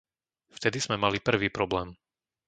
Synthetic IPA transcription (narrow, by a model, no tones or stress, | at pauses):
ft̪ɛd̪iz̥mɛmalipr̩ʋiːpɾɔblɛːm